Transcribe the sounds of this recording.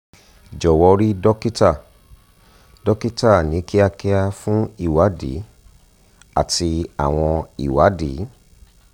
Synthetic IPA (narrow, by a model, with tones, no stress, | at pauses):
d͡ʒɔ˨wɔ˧ɾi˦dɔ˦ki˦ta˦˨ | dɔ˦ki˦ta˦˨nĩ˨˦ki˦a˧kɛ˦a˧fũ˦i˦˨wa˨˦dḭ˨˦ | a̰˦˨ti˧a̰˨w̃ɔ̃˧ḭ˨wa˨˦dḭ˨˦